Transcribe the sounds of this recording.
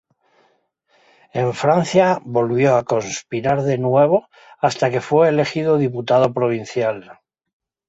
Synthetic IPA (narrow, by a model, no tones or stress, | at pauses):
e̞ɱfɾanθjaβo̞lβjo̞ako̞nspiɾaɾðe̞nwe̞β̞o̞ | ast̪ake̞fwe̞ːle̞xiðo̞ðip̬ut̪aðo̞pɾo̞β̞in̟θjal